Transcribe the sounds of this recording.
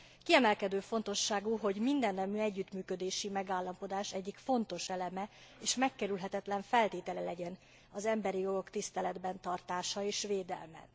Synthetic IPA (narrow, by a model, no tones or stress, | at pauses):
kiɛmɛlkɛd̪øːfo̞nt̪o̞ʃːaːɡuɦo̞ɟmind̪ɛnːɛmyɛɟːyt̪myːkød̪eːʃimɛɡaːlːɒmpo̞d̪aːʃɛɟːikfo̞nt̪o̞ʃɛlɛmɛeːʃmɛkːɛɾylɦɛt̪ɛt̪lɛɱfɛlt̪eːt̪ɛlɛlɛɟɛn | ɒzɛmbɛɾijo̞ɡo̞kt̪ist̪ɛlɛd̪bɛnt̪ɒrt̪aːʃɒeːʃʋeːd̪ɛ̰lmɛ̰